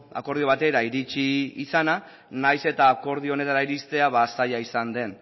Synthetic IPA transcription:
a̰ko̞ɾð̞io̞β̞at̪e̞ɾaiɾit͡ʃiːsana | najse̞t̪aːko̞ɾðio̞ne̞t̪aɾaiɾist̪e̞aβasajaisand̪e̞n

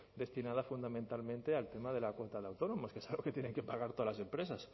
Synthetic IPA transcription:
d̪e̞st̪inað̞afund̪amẽnt̪almẽnt̪ealt̪e̞maðe̞lakwo̞nt̪aðeawt̪o̞no̞mo̞skeesalɣo̞ket̪jeneŋkepaɣaɾt̪oðalase̞mpɾe̞sas

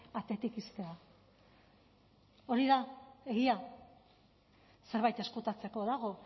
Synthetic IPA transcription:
at̪et̪ikist̪ea | o̞ɾiðae̞ɣia | se̞ɾβajt̪e̞skut̪at͡se̞ko̞ðaɣ̞o̞

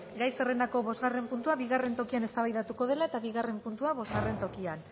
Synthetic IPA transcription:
ɡajsere̞nd̪ako̞βo̞zɣare̞mpunt̪uaβiɣare̞nt̪o̞kiane̞st̪aβajðat̪uko̞ð̞e̞lae̞t̪aβiɣare̞mpunt̪uaβo̞zɣare̞nt̪o̞kian

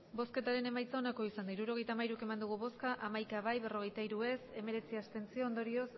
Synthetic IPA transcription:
bo̞ske̞t̪aɾe̞ne̞majt͡sao̞nako̞isand̪aiɾuɾo̞ɣ̞e̞jt̪amaiɾuke̞mand̪uɣ̞uβo̞skaʔamajkaβajβe̞ro̞ɣ̞e̞jt̪aiɾue̞se̞me̞ɾe̞t͡siast̪e̞nt͡sio̞ːnd̪o̞ɾio̞s

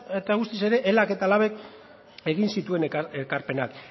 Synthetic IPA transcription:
et̪aɣust̪ise̞ɾe̞ʔelake̞t̪alaβe̞k̚ | e̞ɣinsit̪ue̞nekekaɾpe̞nak

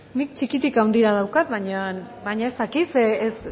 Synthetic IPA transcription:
nik̚t͡ʃikit̪ikawnd̪iɾað̞awkat̪̚βaɲan | bajɲae̞st̪akisees

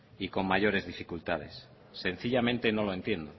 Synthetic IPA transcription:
iko̞mmaʝo̞ɾe̞zðifikult̪að̞e̞sː | e̞n̟θiʎamẽnt̪e̞no̞lo̞e̞nt̪je̞nd̪o

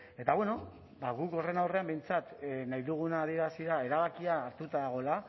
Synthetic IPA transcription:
e̞t̪aβwe̞no | baɣuko̞re̞nawre̞ambe̞jnt͡sat̪najðuɣ̞unaːð̞ie̞ɾasiɾae̞ɾaβ̞akiaːɾt̪ut̪aðaɣ̞o̞la

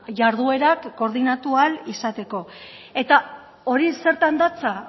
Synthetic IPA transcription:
ʝaɾð̞ue̞ɾakːo̞ɾð̞inat̪ualisat̪e̞ko̞e̞t̪a | o̞ɾise̞ɾt̪and̪at͡sa

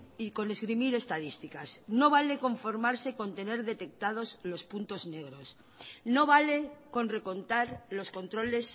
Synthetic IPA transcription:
iko̞ne̞zɣɾimiɾe̞st̪að̞ist̪ikasno̞β̞ale̞ko̞ɱfo̞ɾmaɾseko̞nt̪e̞ne̞ɾðe̞t̪e̞k̚t̪að̞o̞zlo̞spunt̪o̞zne̞ɣ̞ɾo̞s | no̞β̞ale̞ko̞nre̞ko̞nt̪aɾlo̞sko̞nt̪ɾo̞le̞s

